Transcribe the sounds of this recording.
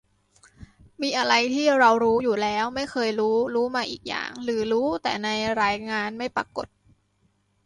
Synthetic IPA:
miː˧ʔa˧ɾa˧jt̪ʰiː˥˩ɾa˧wɾuː˦˥juː˨˩lɛː˦˥wma˥˩jkʰɤː˧jɾuː˦˥ɾuː˦˥maː˧ʔiː˨˩k̚ja̰ː˨˩ŋɾɯː˩˦ɾuː˦˥t̪ɛ̰ː˨˩na˧jɾaː˧jŋaː˧nma˥˩jpɾa̰˧ko̰˨˩t̪̚

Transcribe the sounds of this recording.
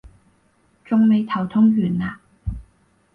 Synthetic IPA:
t͡sʊ˧ŋme˨˧jt̪ʰɐ˨˩wt̪ʰʊ˥ŋɥyː˨˩nlaː˨˩

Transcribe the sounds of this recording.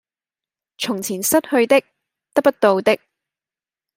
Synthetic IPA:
t͡ʃʰʊ˨˩ŋt͡sʰiː˨˩nsɐ˥t̚hɵ˧ɥt̪ɪ˥k̚ | t̪ɐ˥k̚pɐ˥t̚t̪o˧wt̪ɪ˥k̚

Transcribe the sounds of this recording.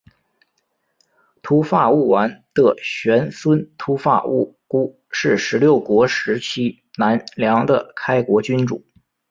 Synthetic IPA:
t̪ʰu˧˥fa˥˧u˥˩wa˧˥nt̪ɤ˥˩ɕɥɛ˧˥nswə˥nt̪ʰu˧˥fa̰˥˩u˥˩ | ku˥ | ʂɻ̩˥˩ʂɻ̩˧˥ljo˥˩ʊkwɔ˧˥ʂɻ̩˧˥t͡ɕʰi˥ | na˧˥nljɑ˧˥ŋd̪ə˧kʰa˥ɪkwɔ˧˥t͡ɕy˥nʈ͡ʂṵ˨˩˦

